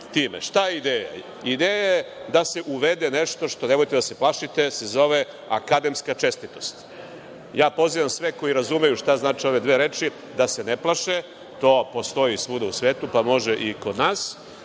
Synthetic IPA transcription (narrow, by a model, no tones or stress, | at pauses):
t̪iːmeʃt̪ajeid̪eːja̰ | id̪eːjajed̪ase̞ʔuʋed̪eneʃt̪o̞ʃt̪o̞neʋojt̪ed̪ase̞plˠaʃit̪esezo̞ʋe | a̰kad̪e̞mskat͡ʃe̞st̪it̪o̞st̪ | jaːpo̞ziʋamsʋeko̞jiɾazume̞juʃt̪aznaːt͡ʃio̞ʋe̞d̪ʋeːɾeːt͡ʃi | d̪ase̞neplˠaʃe | t̪o̞ːpo̞st̪o̞jisʋud̪ausʋeːt̪upamo̞ʒeʔiko̞d̪naːs